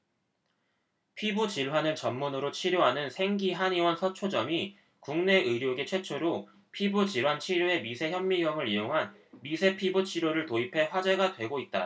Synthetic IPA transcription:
pʰibut͡ɕiɭwanɯnt͡ɕʌmːunɯɾot͡ɕʰiɾjoɦanɯnsʰe̞ŋɡiɦaɲiwʌnsʰʌt͡ɕʰod͡ʑʌmi | kuŋne̞ɯɾjoɡet͡ɕʰwe̞t͡ɕʰoɾo | pʰibut͡ɕiɭwant͡ɕʰiɾjoe̞misʰe̞çjʌmːiɡjʌŋɯɾioŋɦanmisʰe̞pʰibut͡ɕʰiɾoɾɯɭtoipʰe̞ɸwad͡ʑe̞ɡatwe̞ɡoit̚t͈a̰

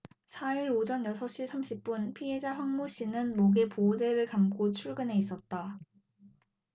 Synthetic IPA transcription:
sʰaiɾod͡ʑʌnjʌsʰʌɕ͈isʰamɕʰip̚p͈unpʰiɦe̞d͡ʑaɸaŋmuɕ͈inɯnmoɡe̞pode̞ɾɯɭkamk͈ʰot͡ɕʰuɭɡɯnɦe̞is͈ʌt̚t͈a

